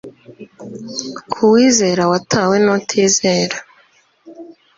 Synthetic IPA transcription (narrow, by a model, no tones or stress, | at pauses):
kʰuwiːze̞ːɾawatʰaːwe̞notʰiːzeːɾa